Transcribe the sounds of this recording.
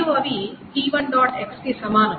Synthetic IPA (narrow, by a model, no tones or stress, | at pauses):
uɐʋiʈiːʋɐɳɖɔːʈeksʈisɐmaːnɐ